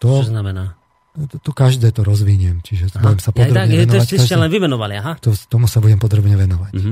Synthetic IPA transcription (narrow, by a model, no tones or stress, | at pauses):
t̪ɔt͡ʃɔznamɛnaː | t̪t̪ɔkaʒd̪ɛːt̪ɔɾɔzʋiɲɛmt͡ʃiʒɛbuɟɛmsapɔɾaɲɛnaikasɛlɛnʋimɛnɔʋaliaɦat̪ɔt̪ɔmusabuɟɛmpɔd̪ɾɔbɲɛʋɛnɔʋac